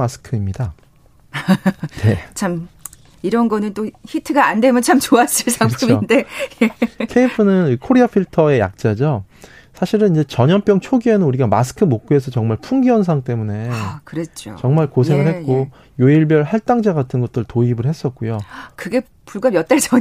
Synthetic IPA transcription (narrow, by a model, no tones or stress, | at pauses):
masʰɯ̥kʰɯimɲida | ne̞t͡ɕʰam | iɾʌnɡʌnɯnt͈oçitʰɯɡaːndwe̞mjʌnt͡ɕʰamt͡ɕoas͈ɯɭsʰaŋpʰumionde̞ | kʰe̞ipʰɯnɯnikʰoɾiapʰiɭtʰʌe̞ja̰k̚t͡ɕ͈ad͡ʑʌ | sʰaɕʰiɾɯnind͡ʑe̞t͡ɕʌɲʌnp͈jʌŋt͡ɕʰoɡie̞nɯnuɾiɡamasʰɯ̥kʰɯmok̚k͈ɯe̞sʰʌt͡ɕʌŋmaɭpʰuŋɡiʌns̬ʰaŋt͈e̞mune̞kɯɾet͡ɕ͈o̰t͡ɕʌŋmaɭkosʰe̞ŋɯɭɦhe̞t̚k͈o | joiɭbjʌɭɦaɭt͈aŋd͡ʑaɡatʰɯnɡʌt̚t͈ɯɭtoibɯɭhe̞s͈ʌt̚k͈ujokɯɡe̞ | puɭɡamjʌt͈aɭd͡ʑʌ